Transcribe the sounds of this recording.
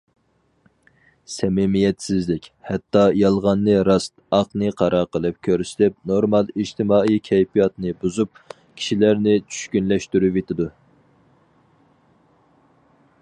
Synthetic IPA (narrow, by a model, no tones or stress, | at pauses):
sɛmɪmijɛt̪sɪzlɪkʲhɛt̪ːɑjɑlˠʁɑnːɨɾɑst̪ɑqnɨqʰɑɾɑɾqʰəlˠɨp̚kʲʰøɾsɪ̥t̪ɪp̚noɾmɑlˠid͡ʒt̪ɪmɑːijkʲʰɛjpʰijɑt̪nɨbuzup̚ | kʲʰi̥ʃilæɾnɪt͡ʃʰy̥ʃkʲynlɛʃt̪yɾyvet̪ʰɪd̪u